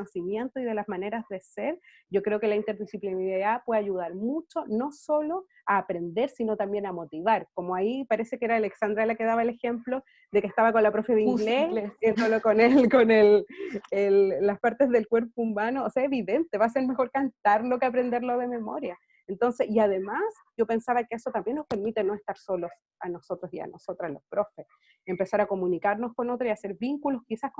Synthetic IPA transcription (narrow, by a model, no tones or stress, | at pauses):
osimje̞nt̪oið̞e̞lazmane̞ɾazðe̞seɾ | ɟ͡ʝo̞kɾe̞o̞ke̞laint̪e̞ɾðisiplinapwe̞ðaʝuð̞aɾmut͡ʃo̞no̞so̞lo | aːpɾe̞nd̪e̞ɾsino̞t̪ambje̞namo̞t̪iβaɾkomoaipaɾe̞se̞keeɾaːleksand̪ɾalake̞ðaβaelexemplo̞ | ðe̞keht̪aβako̞nlapɾo̞feðeiŋɡlesent̪olokonelkonelelːaspaɾt̪e̞zðelkwe̞ɾpoumano̞ːseaeβiðe̞nt̪e̞βaːs̬eɾme̞xo̞ɾkant̪aɾlo̞keapɾe̞nd̪e̞ɾloðeme̞mo̞ɾja | ent̪o̞nse̞siaðe̞mas | ɟ͡ʝo̞pe̞nsaβakeesot̪ambjenːospe̞ɾmit̪e̞no̞e̞st̪aɾso̞los | ano̞so̞t̪ɾosia̰no̞sot̪ɾalo̞spɾo̞fes | empe̞saɾako̞munikaɾnosko̞no̞t̪ɾoiase̞ɾβiŋkulo̞skisahk